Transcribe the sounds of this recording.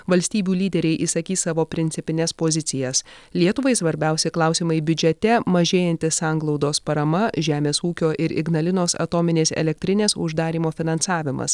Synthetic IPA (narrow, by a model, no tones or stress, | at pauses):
ʋɐlʲsʲt̪ʲiːbʲuːlʲiːd̪ʲɛɾʲɛɪʔisɐkʲiːsɑːʋoːpʲɾʲɪnʲsʲɪpʲɪnʲɛspoːzʲɪt̪sʲɪjɛslʲiɛt̪ʊʋɐɪsʋɐɾʲbʲɛˑʊsʲɪklˠɑˑʊsʲiːmɐɪbʲʊd͡ʒʲɛt̪ʲɛmɐʒʲeːjɛnt̪ʲɪsɑːˑŋɡlˠɒʊd̪oːspɐɾɐmɐʒʲæːmʲeːsuːkʲoːʔɪɾʔɪ̰ɡnɐlʲɪnoːsɐ̰t̪oːmʲɪnʲeːsɛ̰lʲɛk̚t̪ʲɾʲɪnʲeːsʊʒd̪ɑːɾʲiːmoːfʲɪnɐnsɑːʋʲɪmɐ̰s